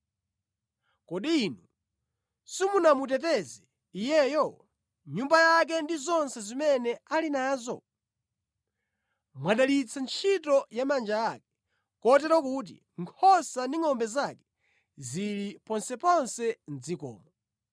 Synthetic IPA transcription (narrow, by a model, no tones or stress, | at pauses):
kɔɗiːnu | simunamut̬ɛtɛzɛ | ijɛjɔ | ɲumbajak̬ɛndizɔnsɛzimɛnɛalinaːzɔ | mwaɗalit͡sʰant͡ʃʰitɔjamand͡ʒaak̚ɛ | kɔt̬ɛɾɔkut̬ḭ | ŋkʰɔsandiŋɔmbɛzakɛ | ziɾipɔnsɛpɔnsɛnd͡zikɔ̰ːmɔ